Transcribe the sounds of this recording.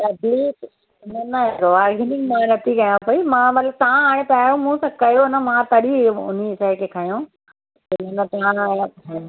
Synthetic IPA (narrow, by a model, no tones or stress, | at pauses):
ɐbliːk | ɪnənɐɦɾoaːɾɡeːnɪ̃ŋɡmãɾɐt̪ʰikɐjãpɐimãːmɐt̪ləb̚t̪ɐãaːɽ̃ẽpaːjõmũsãkɐjonəmãt̪ɐɗiʊ̰n̤iɪsaːekʰeːkʰaːjõː | ɪnənɐt̪ɐã